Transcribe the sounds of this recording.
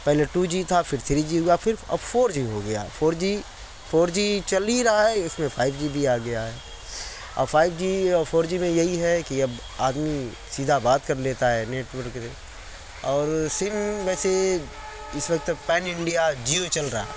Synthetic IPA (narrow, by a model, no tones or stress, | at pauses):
pɛɦleʈuːd͡ʒit̪ʰafʰɪɾt̪ʰɾid͡ʒiɦoɡɐjafɪɾɐ̰bfʰoːɾd͡ʒiɦoɡɐja̰fʰoːɾd͡ʒi | fʰoːɾd͡ʒit͡ʃɐliɾɐɦaɦɛɪsmẽfʰaːɪbd͡ʒibʱiaːɡɐjaɦɛː | ɐ̰bfʰaːɪbd͡ʒiɔːɾfʰoːɾd͡ʒimẽjɐɦiɦɛkiɐb | a̰ːd̪mi | siːd̪ʱabaːt̪kɐɾleːt̪aɦɛːneːʈʋəɾkse | ɔːɾsɪmʋɛːse | ɪsʋɐk̚t̪pɛːnɪ̃ɳɖijad͡ʒiot͡ʃɐlɾɐɦa̰